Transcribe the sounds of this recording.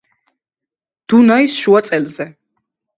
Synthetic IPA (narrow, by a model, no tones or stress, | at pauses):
d̪̥unaisʃuat̪sʼɛlzɛ